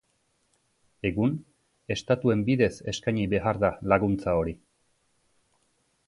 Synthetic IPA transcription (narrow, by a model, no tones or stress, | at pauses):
e̞ɣun | e̞st̪at̪ue̞mbiðe̞se̞skajɲiβe̞aɾðalaɣunt͡sao̞ɾi